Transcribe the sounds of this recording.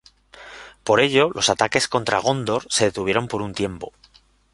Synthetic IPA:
po̞ɾe̞ʎo̞lo̞sat̪ake̞sko̞nt̪ɾa̰ɣ̞o̞nd̪o̞ɾse̞ðe̞t̪uβjeɾo̞mpo̞ɾunt̪je̞mpo̞

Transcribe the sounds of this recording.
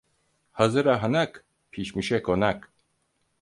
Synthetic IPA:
hazɯɾaɦanak | pʰiʃmiʃɛkonak

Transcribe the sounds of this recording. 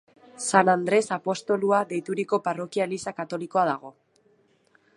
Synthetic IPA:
sanand̪ɾe̞sapo̞st̪o̞luaðe̞jt̪uɾiko̞paro̞kialisakat̪o̞liko̞aðaɣ̞o̞

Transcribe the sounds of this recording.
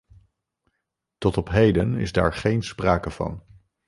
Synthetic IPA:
tɔtɔpɦejdənɪ̰zda̰ːɹχejnspraːkəv̥ɑ̰n

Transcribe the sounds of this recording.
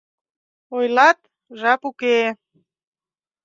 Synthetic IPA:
ojlɑt̪̚ | ʒɑpuke

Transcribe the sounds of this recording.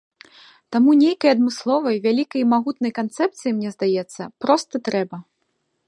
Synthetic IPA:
t̪amunʲejkɐjɐd̪mɨslˠɔvɐjvʲalʲikɐjmaɣut̪nɐjkant̪sɛp̚t̪sɨjimnʲɛzd̪ajɛt̪sːɐpɾɔst̪ɐt̪ɾɛbɐ

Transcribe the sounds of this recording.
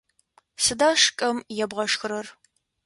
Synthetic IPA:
sɨdaːʂkʼɐmjɛbʁɐʂxɨɾɐr

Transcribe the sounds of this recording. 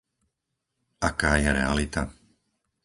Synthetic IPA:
akaːjɛɾɛ̰a̰lit̪a

